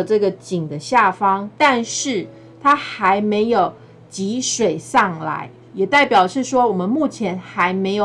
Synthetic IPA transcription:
ʈ͡ʂɤ˥˩ɡə˩t͡ɕi˨˩ŋd̪ə˦ɕja˥˩fɑ˥ŋt̪a˥˧nʂɻ̩˥˩ | t̪ʰa˥xa˧˦˥ɪme˧˥ɪjo˨˩ʊ | t͡ɕi˧˥ʂwe˨˩ɪsɑ˥˩ŋla̰˧˦ɪ | jɛ˨˩t̪a˥˩ɪpjɑ˨˩ʊʂɻ̩˥˩ʂwɔ˥wɔ˨˩mə˦nmu˥˩t͡ɕʰjɛ˧˥nxa˧˦˥ɪme˧˥ɪjo˨

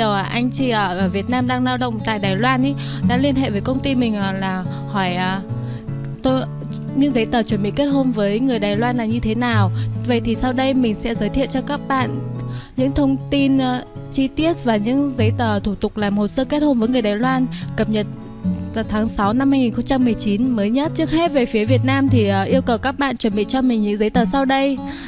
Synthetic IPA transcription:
ə˨˩wʔaː˨˩ʔa˧jŋ̟t͡ɕi˧˩ʔəː˨˩˨vi˨˩ət̚naː˧mɗaː˧ŋlaː˧wɗə̰˧˨wŋ͡mt̪a̰ː˧˨jɗaː˨˩jlwaː˧nʔi˨˦ | ɗa̰ː˧˥li˧ənɦḛ˧˨vəː˨˦jkə˧wŋ͡mt̪i˧mï˨˩ŋ̟ʔə˨˩laː˨˩ | hɔ˧˩jʔəː˨˩ | t̪o˧j | ɲɨ̰˧˥ŋzə˨˦jt̪əː˨˩t͡ɕəː˧˩nɓḭ˧˨ke˦˥t̚ho˧nvəː˨˦jŋɨ˨˩əjɗaː˨˩jlwaː˧nlaː˨˩ɲɨ˧t̪ʰe˨˦naː˨˩wvə̰˧˨jt̪ʰi˨˩sa˧wɗə˧jmï˨˩ŋ̟sɛ̰˧˥zəː˨˦jt̪ʰḭ˧˨əwt͡ɕɔ˧kaː˦˥k̚ɓa̰ː˧˨nɲɨ̰˧˥ŋt̪ʰə˧wŋ͡mt̪i˧nt͡ɕi˧t̪i˦˥ət̚vaː˨˩ɲɨ̰˧˥ŋzə˨˦jt̪əː˨˩t̪ʰu˧˩t̪ʊ˨˩k͡p̚laː˨˩mho˨˩səː˧ke˦˥t̚ho˧nvəː˨˦ŋɨ˨˩əjɗaː˨˩jlwaː˧nkə˨˩p̚ɲə˨˩t̚ | vaː˨˩wt̪ʰaː˨˦ŋsa˨˦wna˧mhaː˧jŋi˨˩nxə˧wŋ͡mt͡ɕa˧mːɨ˨˩əjt͡ɕi˨˦nməː˨˦jɲə˦˥t̚t͡ɕɨ˦˥ək̚hɛ˦˥p̚ve˨˩fi˨˦əvi˨˩ət̚naː˧mt̪ʰi˨˩ʔːʔi˧əwkə˨˩wkaː˦˥k̚ɓa̰ː˧˨nt͡ɕə˧˩nɓḭ˧˨t͡ɕɔ˧mï˨˩ŋɲɨ̰˧˥ŋzə˨˦jt̪əː˨˩sa˧wɗə˧j

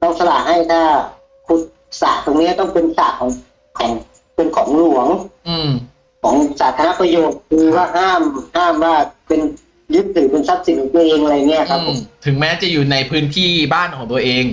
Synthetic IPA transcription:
t̪ɔː˥˩ŋsa˧laː˨˩ʔ̚ha˥˩jt̪ʰaː˥˩ | kʰu˧˩t̪̚ | saː˨˩t̪o˧ŋni˦˥ɐt̪ɔ˥˩ŋpe˧nsaː˨˩kʰɔː˩˦ŋ | kʰɔː˩˦ŋ | pe˧nkʰɔː˩˦ŋlu˨˩˦əŋʔɯː˧˩m | kʰɔː˩˦ŋsaː˩˦t̪ʰaː˧ɾa˦˥pɾa˧joː˨˩k̚kʰɯː˧waː˥˩ɦaː˥˩mhaː˥˩mwaː˥˩pe˧n | jɯ˦˥t̪ʰːɯː˩˦pe˧nsa˦˥p̚si˩˦nkʰɔː˨˩˦t̪u˧ə˧ʔeː˧ŋʔa˧ja˨˩ŋːi˦˥ɐ˨˩kʰa˦˥pːʰo˨˦t̪ʰɯ˨˩˦ŋmɛː˦˥t͡ɕa˨˩juː˨˩na˧jpʰɯː˦˥nt̪ʰiː˥˩baː˥˩nkʰɔː˩˦ŋt̪u˧ɐʔeː˧ŋ

